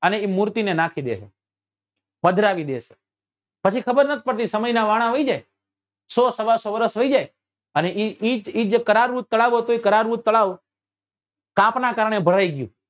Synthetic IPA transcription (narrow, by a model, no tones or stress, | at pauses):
əneimuɾt̪inenakʰid̪ḛt͡ʃʰe | pəd̪ʱɾaʋid̪et͡ʃʰe̥ | pət͡ʃʰikʰəbəɾnət̪̚ʰipəɽt̪isəməjnaʋaɽ̃ãʋəid͡ʒaj | sosəʋalsoʋəɾəsɦəid͡ʒaj | əneʔiid͡ʒid͡ʒekəɾaɾʋut̪̚t̪ːəɭaʋot̪oikəɾaɾʋut̪̚ːəɭaʋ | kãpnakaɾəɳ̃ebʱəɾaiɡjṵ̃